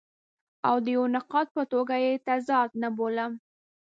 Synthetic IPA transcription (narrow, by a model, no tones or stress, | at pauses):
awd̪əjawnaqɑt̪̚pət̪oɡajet̪azɑd̪̚naboləm